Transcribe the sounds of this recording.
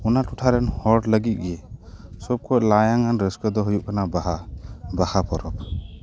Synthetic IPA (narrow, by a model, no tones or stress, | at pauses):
ɔnatuʈʰaɾɛnhɔʈləɡit̪̚ˀɡiesɔb̚kʰɔjlajaŋanɾəskɔd̪ɔɦujuʔkanabaɦabahapʰɔɾɔp̚